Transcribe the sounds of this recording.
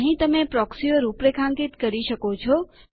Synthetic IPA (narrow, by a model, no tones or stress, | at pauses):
ɦĩt̪əmepɾɔksioɾupɾekʰãŋkit̪kəɾiʃəkot͡ʃʰɔ